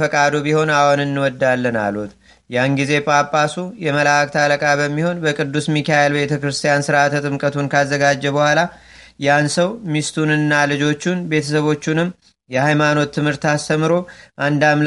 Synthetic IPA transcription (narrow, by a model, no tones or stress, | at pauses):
fəkʼad̪obiho̞nawonɨnːɨwɔd̪ːalːəna̰lut̪̚ | janɡize̞pʼapʼːasujɛməlak̚t̪ʰaləkʼabəmːiho̞nbəkʼɨd̪ːusmikajelbe̞t̪ʰəkɾɨst̪ʰijansɨɾat̪ʰət̪ʼɨmkʼət̪ʰunkʰazːəɡad͡ʒːɛbəhʷala | jansəwmist̪ʰunɨnːalɨd͡ʒo̞t͡ʃːunbe̞t̪ʰəsəβo̞t͡ʃːunɨmː | jɛhajmano̞t̪ʰːɨmhɨɾt̪ast̪ʰəmɨɾo̞ʔand̪aml